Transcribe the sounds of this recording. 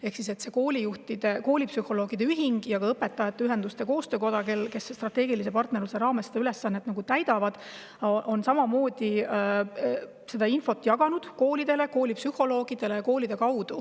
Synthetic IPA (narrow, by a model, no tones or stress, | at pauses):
ehksise̞t̪se̞ko̞ːlʲijuht̪id̪̥e̞ko̞ːlʲipsyho̞lo̞ːɡ̥id̪eyɦiŋɡ̥jɑɡ̥ɑɤpːe̞t̪ːˑɑjɑt̪ːˑeyɦe̞nd̪̥ust̪e̞ko̞ːst̪øːko̞d̪̥ɑkelke̞sst̪rɑt̪ːe̞ːɡilise̞pɑrt̪ne̞rluse̞ɾɑːme̞st̪eyle̞sːɑnːet̪ːnɑɡut̪æjd̪̥ɑvɑd̪̥ | ʔo̞nsɑmɑmo̞ːd̪̥i | se̞d̪ɑinfo̞t̪ːˑjɑɡ̥ɑnud̪̥ko̞ːlid̪̥e̞le̞ko̞ːlipsyhˑo̞lo̞ːɡ̥id̪̥e̞le̞jɑko̞ːlid̪̥e̞kɑwd̪̥u